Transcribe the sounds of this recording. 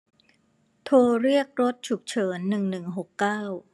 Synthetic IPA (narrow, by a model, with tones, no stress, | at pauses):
t̪ʰoː˧ɾi˥˩ək̚ɾo˦˥t̪̚t͡ɕʰu˨˩k̚t͡ɕʰɤː˩˦nːɯ˨˩ŋnɯ˨˩ŋɦo˨˩kːaː˥˩w